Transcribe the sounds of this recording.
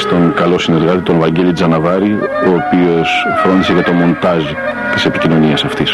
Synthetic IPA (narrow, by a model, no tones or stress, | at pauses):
st̪o̞ŋkɐlo̞sine̞ɾɣɐt̪it̪o̞nvɐɲɟe̞lid͡zɐnɐvɐɾioːpio̞sfɾo̞nd̪iseʝɐt̪o̞mo̞nt̪ɐzi | t̪ise̞picino̞niɐsɐft̪is